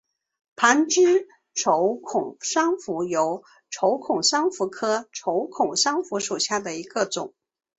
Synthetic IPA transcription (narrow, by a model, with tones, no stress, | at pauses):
pʰa˧˥nt͡ɕy˥ | ʈ͡ʂʰo˧˥ʊkʰʊ˨˩ŋʂɑ˥ŋfu˧˥jo˧˥ʊ | ʈ͡ʂʰo˧˥ʊkʰʊ˨˩ŋʂɑ˥ŋfu˧˥kʰɤ˥ʈ͡ʂʰo˧˥ʊkʰʊ˨˩ŋʂɑ˥ŋfu˧˥ʂu˨˩ɕja˥˩d̪ə˩i˧˥ɡ̥ə˧t͡sʊ̰˨˩˦ŋ